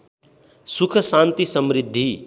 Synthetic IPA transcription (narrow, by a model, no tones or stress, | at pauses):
sukʰʌsant̪isʌmɾid̪ʱːi